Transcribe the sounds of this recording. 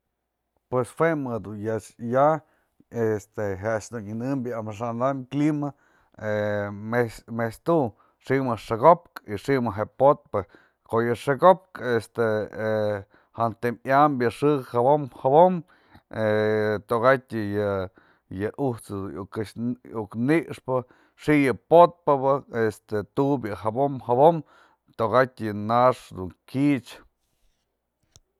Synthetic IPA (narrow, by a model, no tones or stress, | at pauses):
pweswemɨd̪unjaja | est̪eɦeʔaʃd̪uninɨmbjaamaʂ̬and̪amklima | emesmest̪u | ʂimɨʂaɡop̚kiʂimɨɦepot̪̚pɨ | kojɨʂeɡop̚kest̪e | hant̪emjambjɨʂɨkhabomhaβom | et̪oɣat̪ʲjɨ | jɨʔuht͡sɨd̪uukɨʃukniʔʂpɨ | ʂiʔjɨpot̪̚paβɨest̪et̪ubjɨɦabomhaβom | t̪oɣatʲjɨnaʂd̪uŋkit͡ʃ